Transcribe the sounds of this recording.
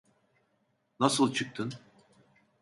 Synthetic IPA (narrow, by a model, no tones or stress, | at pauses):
nasɯlˠt͡ʃʰɯk̚t̪ʰɯn